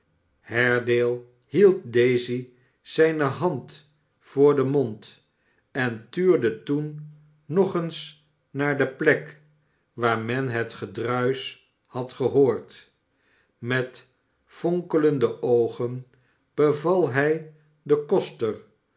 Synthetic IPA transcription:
hɛɹdeːlˠ | hilˠt̚dejzi | z̥ɛjnəɦɑnt | fʊːɹdəmont | ɛntyːɹdətunː | ɔχəns | naːɹdəplɛk | ʋaːɹmɛnɦətχədrœɥs | hɑtχəɦoːɹt | mɛt | foŋkələndəʔowχən | b̥əvɑlˠɦɛj | dəkɔstər

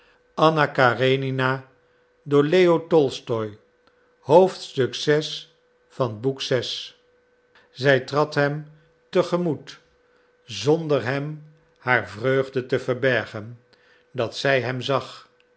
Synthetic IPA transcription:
ɑnakarenina | dʊːɹleotɔlˠstɔj | howftstɵksɛs | fɑnbuksɛs | zɛjtrɑtɦɛm | təχəmut | zɔndəɹɦɛm | haːɹvrøɥχdətəvəɹbɛɹχən | dɑtsɛjɦɛmzɑχ

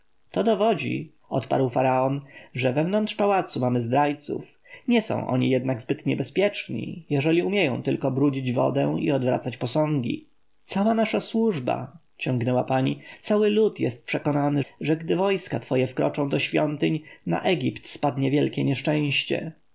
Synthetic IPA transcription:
t̪ɔd̪ɔvɔd͡ʑḭ | ɔt̪pa̰ɾwfaɾaɔnʐɛvɛvnɔnt̪ʂpawat̪sumamɘzd̪ɾajt̪sṵf | ɲɛsɔ̰̃w̃ʔɔ̰ɲijɛd̪naɡzbɘt̪ɲɛbɛspʲjɛt͡ʂɲḭjɛʐɛlʲiumʲjɛjɔ̃w̃t̪ɘlkɔbɾud͡ʑid͡ʑvɔ̰d̪ɛw̃ḭɔd̪vɾa̰t̪sat͡ɕpɔsɔ̃ŋɡʲḭ | t̪sawanaʂaswuʐba̰ | t͡ɕɔ̃ŋɡnɛwapaɲit̪sawɘlut̪jɛ̰st̪̚pʂɛkɔnanɘʐɛɡd̪ɘvɔjskat̪fɔjɛfkɾɔt͡ʂɔ̃w̃d̪ɔɕfʲjɔnt̪ɘɲna̰ʔɛɡʲipt̪spad̪ɲɛvʲjɛlkʲɛɲɛʂt͡ʂɛ̃w̃ɕt͡ɕɛ̰

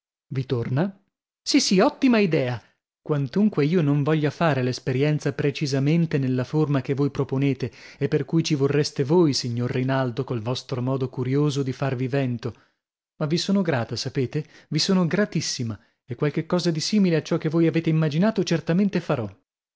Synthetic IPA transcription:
vit̪orna | sisiɔt̪ːimaid̪ɛːa | kwant̪uŋkweiːonoɱvɔʎːafaːɾelespeɾjɛnt̪sapɾet͡ʃizament̪enelːaformakevːojpɾoponeːt̪eepːerkujt͡ʃivorːest̪evojsiɲːorːinald̪okolvɔst̪ɾomɔːd̪okuɾjoːzod̪ifarvivɛnt̪o | mavisoːnoɡɾaːt̪asapeːt̪evisoːnoɡɾat̪isːima | ekːwalk̟ekːɔːzad̪isiːmileat͡ʃːɔkːevːojaveːt̪eimːad͡ʒinaːt̪ot͡ʃert̪ament̪efaɾɔ

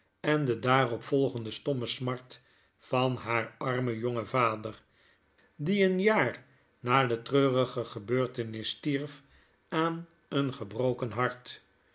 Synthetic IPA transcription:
ɛndədaːrɔpfɔlˠχəndəstɔməsmɑɹt | fɑnɦaːɹɑɹməjɔŋəvaːdər | diənjaːr | naːdətrøːrəχəχəbøːɹtənɪstiɹf | ʔaːn | ənχəbrowkənɦɑɹt

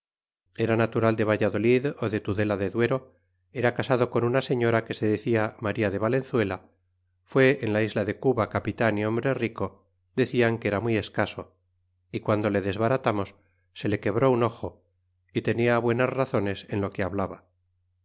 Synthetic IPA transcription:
e̞ɾanat̪uɾald̪e̞β̞aʝaðo̞liðo̞ðe̞t̪uðe̞laðe̞ðwe̞ɾo̞ | e̞ɾakasaðo̞ko̞nunase̞ɲo̞ɾake̞se̞ðe̞θiamaɾiaðe̞βale̞nθwe̞la | fwe̞ʔːnlaizlaðe̞kuβakapit̪aniõ̞mbɾe̞riko̞ | ðe̞θiaŋke̞ɾamwie̞skaso̞ | ikwand̪o̞le̞ðe̞zβaɾat̪amo̞sː | e̞le̞ke̞βɾo̞uno̞xo̞ | it̪e̞niaβwe̞nazraθo̞ne̞se̞nlo̞ke̞aβlaβa

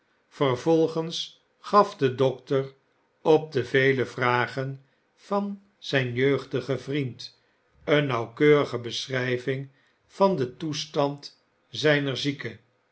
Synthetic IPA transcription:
fərvɔlˠχəns | χɑfdədɔk̚tər | ɔp̚dəvejləvraːχən | vɑn | z̥ɛjnjøɥχdəχəvrint | ənːɑwkøːʁəχəbəsrɛjvɪŋ | v̥ɑndətustɑnt | zɛjnəɹzikə

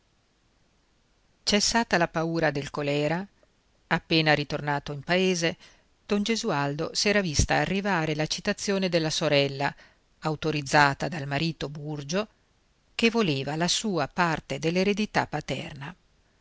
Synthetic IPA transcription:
t͡ʃɛsːaːt̪alapauːɾad̪elkolɛːɾa | apːeːnaɾit̪ornaːt̪oimpaeːze | d̪̥ɔnd͡ʒezuald̪osɛːɾavist̪a̰ːrːivaːɾelat͡ʃit̪at̪sːjoːned̪elːasoɾɛlːa | awt̪oɾid̪zːaːt̪ad̪almaɾiːt̪oburd͡ʒo | k̟evoleːvalasuːapart̪ed̪elːeɾed̪it̪a̰pːat̪ɛ̰rna

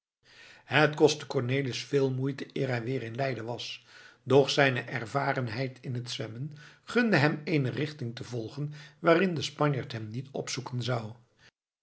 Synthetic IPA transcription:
hətkɔstə̥kɔɹneːləsfɪːlˠmujtəʔɪːɹɦɛjʋɪːɾɪnlɛjdənʋɑsdɔχsɛjnəʔɛɹvaːrənɦɛjtʰɪnɦətsʋɛmənχɵndəɦɛmejnərɪχtɪŋtəvɔlˠχənʋaːrɪndəspɑɲjaɹtɦɛmnitɔ̰psukənzɑw

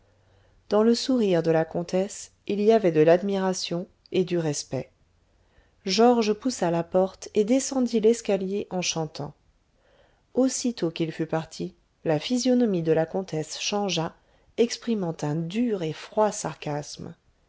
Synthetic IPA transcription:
d̪ɑ̃ləsuʁiʁd̪əlakɔ̃t̪ʰɛs | iliavɛd̪əlad̪miʁasjɔ̃ | ed̪yʁɛspɛ | ʒɔʁʒpusalapɔʁt̪ed̪esɑ̃d̪ilɛskaljeʔɑ̃ʃɑ̃t̪ʰɑ̰̃ | osit̪okilfypaʁt̪ʰi | lafizjɔnɔmid̪əlakɔ̃t̪ʰɛsʃɑ̃ʒa | ɛkspχimɑ̃t̪ɛ̃d̪yʁefχwasaʁkʲasm

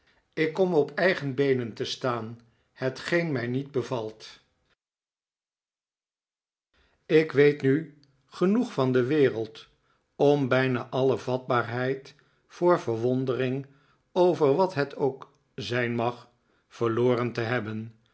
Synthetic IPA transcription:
ɪkːɔmɔpʰɛjχənbejnəntəstaːn | hətχejnmɛjnid̚bəvɑlˠt | ɪkʋejtny | χənuχfɑndəʋɪːrəlˠt | ɔmbɛjnaːʔɑləvɑd̚baːɹɦɛjt | fʊːɹvəɹʋɔndərɪŋ | owvəɹʋɑtɦətʰowk | zɛjnmɑχ | fəɹloːrəntəɦɛbən

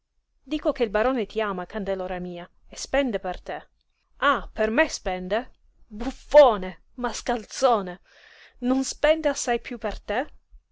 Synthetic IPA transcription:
d̪iːkok̟eilbaɾoːnet̪iaːmakand̪eloːɾamiːa | espɛnd̪epert̪e | apermespɛnd̪e | bufːoːne | maskalt̪soːne | nonspɛnd̪easːajpjupːert̪e

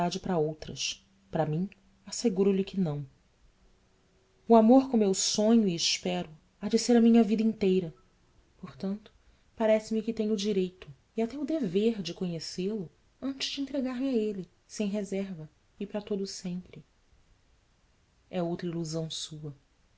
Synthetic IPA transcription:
ad͡ʒɪpɾɐowt̪ɾɐ̰s | pɾɐmĩɲ | aseɡuɾʊlɪkɪnɐ̃w̃ | ʊamoɾkõmmewsõɲʊiːʃpɛɾʊ | ad͡ʒɪseɾɐmĩɲɐvid̪ɐĩt̪ejɾɐ | poɾt̪ɐ̃nt̪ʊ̥ | paɾɛsɪmɪkɪt̪ẽɲʊd͡ʒiɾejt̪ʊ | iat̪ɛʊd̪eveɾd͡ʒɪkõɲeselʊ | ɐ̃nt͡ʃɪzd͡ʒɪẽnt̪ɾeɡaɾmɪaelɪ | sẽj̃ɦezɛɾvɐ | ɪpɾɐt̪od̪ʊsẽmpɾɪ | ɛowt̪ɾɐiluzɐ̃w̃suɐ

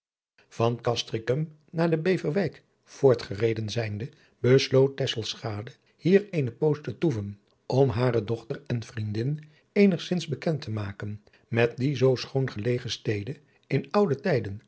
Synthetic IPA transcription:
v̥ɑnkɑstrɪkəm | naːɹdəbejvəɹʋɛjk | v̥ʊːɹtχərejdənzɛjndə | bəslowt̚ːɛsəlˠsχaːdə | hiːɹejnəpowstətuvən | ʔɔmɦaːrədɔχtəɹɛnfrindɪn | ejnəχsɪnzbəkɛntəmaːkən | mɛt̚dizowsχownχəlejχəstejdə | ɪnʌwdətɛjdən

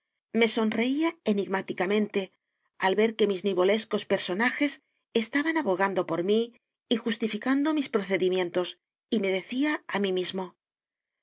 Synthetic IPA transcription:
me̞so̞nre̞iae̞niɣmat̪ikamẽ̞nt̪e̞ | alβe̞ɾke̞mizniβo̞le̞sko̞spe̞ɾso̞naxe̞s | est̪aβanaβo̞ɣ̞and̪o̞po̞ɾmiː | xust̪ifikand̪o̞mispɾo̞θe̞ðimje̞nt̪o̞s | ime̞ð̞e̞θiaamimizmo̞

